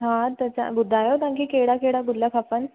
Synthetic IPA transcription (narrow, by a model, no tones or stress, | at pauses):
ɦãt̪ət͡ɕa̰bud̪ʱːajot̪ãŋkiːkeɽakeɽabullːjakʰapən